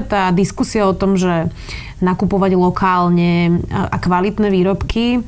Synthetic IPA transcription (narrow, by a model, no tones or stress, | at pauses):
t̪aːd̪iskusiaɔt̪ɔmʒɛ | nakupɔʋaɟlɔkʰaːlɲɛʔa̰kʋalit̪nɛʋiːɾɔpkʰi